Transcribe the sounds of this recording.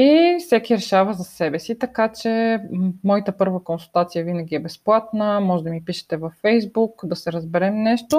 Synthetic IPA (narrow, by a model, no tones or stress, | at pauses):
ifsɛkʲiɾɛʃavɐzɐsɛbɛsit̪ɐkat͡ʃɛmɔjit̪əpɤɾvəkonsulˠt̪at̪sijəvinəɡ̟ʲiɛbɛsplˠat̪nəmɔʒɛd̪ɐmipiʃɛ̥t̪ɛvɐfːɛjzbukd̪ɐsɛɾɐzbɛɾɛmnɛʃt̪o